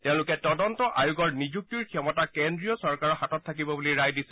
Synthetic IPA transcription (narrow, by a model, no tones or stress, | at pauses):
tɛʊ̃lʊkɛtɔdɔntɔʔajuɡɔɹnid͡ʑuk̚tiɹkʰijɔmɔtakendɹiɔsɔɹkaɹɔxatɔtʰːakibɔbuliɹajdisɛ